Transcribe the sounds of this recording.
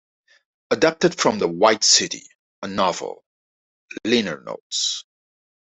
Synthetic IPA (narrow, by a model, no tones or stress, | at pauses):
ədɑp̚tɨd̥fɹʌ̃mðəwaɪtsɪɾḭ | ənɑvə̰lˠ | lɪnə̰˞no̰ʊts